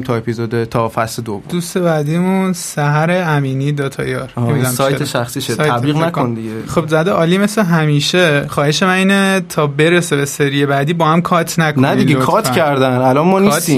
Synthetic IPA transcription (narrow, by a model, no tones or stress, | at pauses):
mt̪ʰɒepʰizod̪et̪ʰɒfæsled̪obd̪̥ust̪e̞bæd̪imunsæɦæɾeæmiːniːd̪ɒt̪ʰɒ̰jɒɾid̪æsɒj̪ʰeʃæxsiːʃesjʰæbliːɣnækʰond̪iɡeχobzæd̪eɒːliːmesleɦæmiːʃeχɒːheʃemæiːnet̪ʰɒːbe̞ɾesebeseɾijebæd̪iːbɒːhæmkʰɒt̪ʰnækʰonæd̪ieokʰɒt̪cʰæɾd̪ænælɒnmɒːniːst̪i